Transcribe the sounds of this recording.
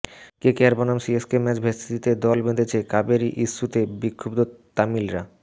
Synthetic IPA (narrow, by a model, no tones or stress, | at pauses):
kekɛɾbanamsieskemɛt͡ɕbʱesid̪it̪ed̪ɔlbed̪et͡ɕʰekabeɾiʔiʃːut̪ebikʰːobd̪ot̪amilɾa